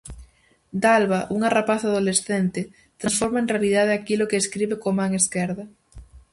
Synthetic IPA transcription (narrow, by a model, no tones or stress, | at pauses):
d̪alβaʔuŋarapaθaðolesθent̪ɪ | t̪ɾãsfoɾmaeŋrealiðað̞eakilokeːskɾiβekomaŋeskɛɾðɐ